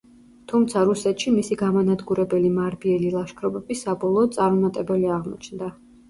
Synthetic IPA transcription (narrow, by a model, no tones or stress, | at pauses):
t̪ʰumt̪sʰaɾusɛt̪ʃimisiɡamanad̪ɡuɾɛbɛlimaɾbiɛlilˠaʃkʰɾɔbɛbisabɔlˠɔːd̪t̪sʼaɾmɔmat̪ʼɛbɛliaʁmɔ̰t͡ʃʰnd̪a